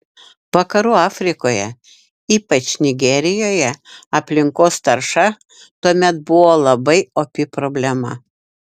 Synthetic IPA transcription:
ʋɐkɐɾuːɑːfʲɾʲɪkoːjɛ̰ | iːpɐt͡ʃnʲɪɡʲɛɾʲɪjoːjɛɐpʲlʲɪŋkoːst̪ɐɾʃɐ | t̪uɔmʲɛt̪̚bʊʋoːlˠɐbɐɪopʲɪpɾobʲlʲɛmɐ

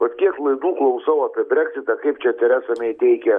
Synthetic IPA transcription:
ʋɐt̪kʲiɛklˠɐɪd̪uːklˠɐʊsɐʊɐːpʲiɛbʲɾʲækʲsʲɪt̪ɐkɐɪp̚t͡ʃʲɛt̪ʲɛɾʲæːsɐmʲɛɪt̪ʲɛɪkʲɛ

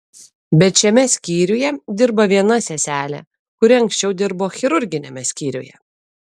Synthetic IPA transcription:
bʲɛt̪ʃʲɛmʲɛsʲkʲiːɾʲʊjɛd̪ʲɪɾbɐʋʲiɛnɐsʲɛsʲæːlʲɛ̰ | kʊɾʲɪɐŋʲksʲt͡ʃʲɛʊd̪ʲɪɾboːxʲɪɾʊɾʲɡʲɪnʲemʲɛsʲkʲiːɾʲṵjɛ̰

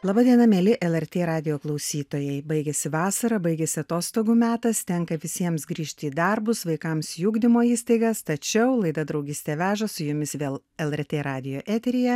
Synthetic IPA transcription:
lˠɑːbɑːd̪ʲiɛnɐmʲeːlʲɪʔɛlˠɛɾʲt̪ʲeːɾɑːd̪ʲɪjoːklˠɐʊsʲiːt̪oːjɛɪbɐɪɡʲɛsʲɪʋɑːsɐɾɐbɐɪɡʲɛsʲɪɐt̪oːst̪oːɡuːmʲæːt̪ɐst̪ʲɛŋkɐʋʲɪsʲiɛmsɡɾʲiːʃʲt̪ʲɪiːd̪ɐɾbʊsʋɐɪkɐmsjuːɡd̪ʲɪmoːiːst̪ɐɪɡɐst̪ɐt͡ʃʲɛʊlˠɐɪd̪ɐd̪ɾɒʊɡʲɪsʲt̪ʲeːʋʲæːʒɐsʊjʊmʲɪsʋʲeːlˠ | ɛlˠɛɾʲt̪ʲeːɾɑːd̪ʲɪjoːʔæːt̪ʲɛɾʲɪjɛ

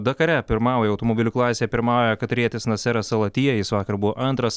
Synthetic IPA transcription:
d̪ɐkɐɾʲɛpʲɪɾmɑːʊjɛɐʊt̪ɔmɔbʲɪlʲʊklˠɑːsʲeːɛpʲɪɾmɑːjɛkɐt̪ɾʲiɛt̪ʲɪsnɐsʲɛɾɐsɐlˠɐt̪ʲiːjɛjɪsʋɑːkɐɾbʊʋoːʔɐnt̪ɾɐs

